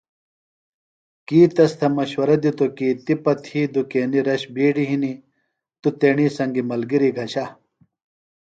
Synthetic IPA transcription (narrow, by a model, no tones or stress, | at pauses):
kiːt̪ɐst̪ʰɐmɐɕwɐɾɐd̪it̪okiːt̪ipɐt̪ʰiːd̪ukeːniɾɐɕbiːɖiɦini | t̪ut̪eːɳiːsɐŋɡimɐlɡiɾiɡʱɐɕa